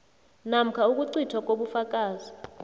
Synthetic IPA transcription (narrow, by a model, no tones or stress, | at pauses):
nam̩kʰauk̬ʼuǀitʰwak̬ʼoɓufak̬ʼaːzi